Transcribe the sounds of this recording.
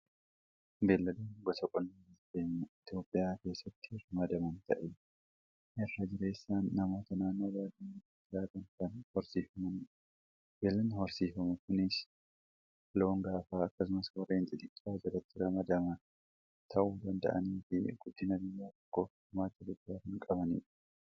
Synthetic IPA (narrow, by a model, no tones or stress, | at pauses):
beːlːɐluːnɡɔsɐkʼɔlːiːd̪eːɲːɐɪt̪jo̞ːpʼːɪjaːke̞ːsːɐt̪ːɪrɐmɐd̪ɐmɐnt̪ɐʔe | ʔɛrːɐd͡ʒɪɾe̞ːsːaːnːɐmo̞ːt̪ɐnaːnːo̞ːbaːd̪iːɪt̪oːpʼːɪjaːkɐnkɐnhɔɾsiːfɐmɐn | wɛlːɐnhɔɾsiːfɐmʊkʊnɪs | lo̞ːŋɡaːfaːɐkːɐsʊmɐswɐrːeːnt̪ʼɪd̪ʼɪkʼːaːd͡ʒɐɾɐt̪ːɪɾɐmɐd̪ɐmɐ | t̪ʰɐʔuːd̪ɐnd̪ɐ̰ʔɐ̰niːfɪɡʊd̪ːɪnɐɡɪjːaːt̪ɔ̥kːoː | ʊmaːt̪ɐt̪ɐkʼːaːhɪŋkʼɐbɐnḭːᶑɐ̥